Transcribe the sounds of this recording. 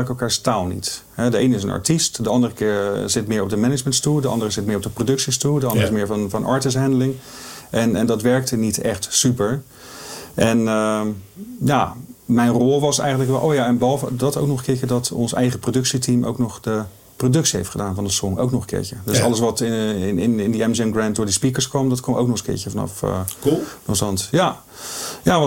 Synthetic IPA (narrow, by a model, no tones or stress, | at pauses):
kɛlˠkaːɹstaːlˠnḭt | ɦɛdəejnəɪs̬ənɑ̰ɹtistdəɑndərəkɪːɹzɪtmɪːɹɔb̚dəmɛnəd͡ʒməntstulˠdəɑ̰ndərəzɪt̚mɪːɹɔpbdəprodɵksistudəɑndəɹɪsmɪːɹvnvɑnʔɑ̰ːɹtɪs̬ɦɛndəlɪŋ | ʔɛnɛndɑtʋɛɹk̚tənitɛχtsypəɹ | ʔɛnə | jamɛjnrɔlˠʋɑsɛ̰jχəntləkʋɛlʔowjaɛnbɑlˠvədɑtowknɔχəkɪːɹcədɑtɔ̰nsɛ̰jχəprodɵksitʰimʔo̰wknɔχdə | prodɵksiɦejftχədaːnvɑndəsɔŋo̰wknɔχənkɪ̰ːɹcədøsɑ̰ləsʋɑtɪɪnɪndəɛmzɛmɡrɛnt̚dʊːɹdispikəɹskʋɑmdɑtkɑmo̰wknɔχəkɪ̰ːɹcəvɑnɑ̰fknɑsɑntja | jaː